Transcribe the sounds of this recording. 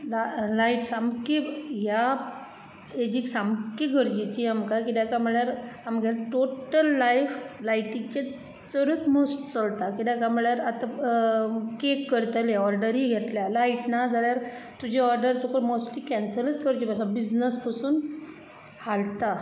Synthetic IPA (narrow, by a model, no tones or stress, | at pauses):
lalaiʈsamkija | ed͡ʑiksamkiɡʱəɾd͡ʑit͡ɕiamkakid̪jakam̤əɭjaɾamɡʱelaʈoʈəlːajflajʈit͡ɕe | t͡səɾət͡smosʈt͡səlt̪akid̪jakam̤əɭjaɾat̪a | kekːəɾt̪əleɔɾɖəɾiːɡʱet̪ljalaiʈnad͡zaɭjaɾt̪ud͡ʑiɔɾɖəɾt͡s̪okəɾmosʈliːkɛnsələt͡skəɾd͡ʑibasabid͡ʑnəspəsuːn | halt̪a